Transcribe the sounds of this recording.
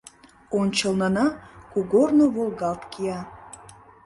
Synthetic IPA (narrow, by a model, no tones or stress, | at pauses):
ont͡ɕə̆lˠnɤ̆nɑkuɡornoβolˠɡɑpkiɑ